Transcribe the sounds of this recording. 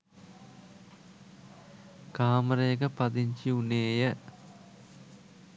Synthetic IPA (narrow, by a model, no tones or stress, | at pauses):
kaːməɾəjəkəpɐd̪iɲt͡ʃiuneːjə